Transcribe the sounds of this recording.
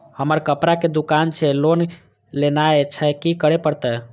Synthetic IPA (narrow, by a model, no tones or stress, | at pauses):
həməɾkəpɾaked̪ukant͡ʃʰɛlon | lenaet͡ʃʰɛkikəɾepəɾt̪ɛ